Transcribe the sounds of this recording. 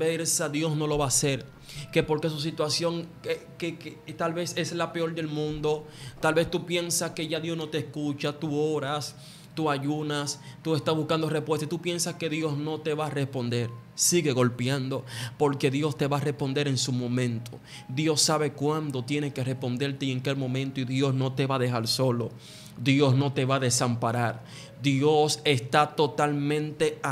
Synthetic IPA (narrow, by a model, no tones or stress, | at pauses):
peɾsaðjo̞sno̞lo̞βaːse̞ɾ | ke̞po̞ɾke̞s̬us̬it̪wasjo̞ŋekeket̪alβe̞se̞slape̞o̞ɾd̪e̞lmũnd̪o̞ | t̪alβe̞st̪upje̞nsaske̞ʝaðjo̞sno̞t̪eskut͡ʃat̪uo̞ɾas | t̪uaʝunast̪ue̞st̪asβuskand̪o̞respwest̪at̪upje̞nsaske̞ðjo̞sno̞t̪e̞βarespo̞nd̪e̞ɾsiɣe̞ɣo̞lpjand̪o̞po̞ɾke̞ðjo̞st̪e̞βare̞spo̞nd̪e̞ɾe̞nsumõ̞mẽ̞nt̪ʰo̞ | d̪jo̞sːaβe̞kwand̪o̞t̪je̞neke̞re̞spo̞nd̪eɾt̪eieŋkelmõ̞mẽnt̪oiðjo̞sno̞t̪e̞βaðe̞xaɾso̞lo̞ | d̪jo̞sno̞t̪e̞βaðe̞sampaɾaɾ | d̪jo̞se̞st̪at̪o̞t̪almẽ̞nt̪e̞